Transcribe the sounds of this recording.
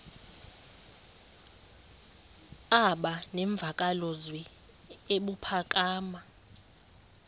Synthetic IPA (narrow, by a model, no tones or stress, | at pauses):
aɓanɛɱb̪vʱakʼalɔzwɛ | eɓupʰakʼaːma